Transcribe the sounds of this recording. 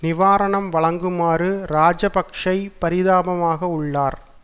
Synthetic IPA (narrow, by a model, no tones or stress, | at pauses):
nɪʋaːɾɐɳɐmʋɐɭɐŋɡɯmaːɾɯɾaːd͡ʒɐpɐkʂɐɪpɐɾɪðaːbɐmaːɣɐʊɭːaːɾ